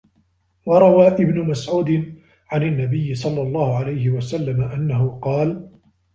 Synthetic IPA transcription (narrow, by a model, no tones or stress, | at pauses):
wɑɾˤɑwaːʔɪbnʊmasʕuːd̪ɪn | ʕananːabɪjːɪsˤɑlːɑlˤːɑːhʊʕalajhɪwasalːamaʔanːaɦʊqɑːl